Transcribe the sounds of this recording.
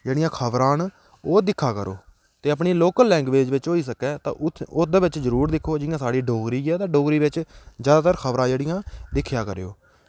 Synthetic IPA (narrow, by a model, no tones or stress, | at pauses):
d͡ʒeːɽɪjãːkʰəʋɾãːn | oːd̪ɪkʰːaːkəɾo̰ː | t̪eːəpɳiːloːkəlːɛ̃ːŋɡʋeːd͡ʒʋɪt͡ʃoːiːsəkɛːt̪ã̰ːʊd̪əːʋɪt͡ʃzəɾuːɾd̪ɪkʰːoːd͡ʒɪjãːsaːɽiːɖoːɡɾiːɛːt̪ãːɖoːɡɾiːʋɪt͡ʃzjaːd̪aːt̪əɾkʰəʋɾãːd͡ʒeːɽɪjãːd̪ɪkʰːjaːkəɾːo̰ː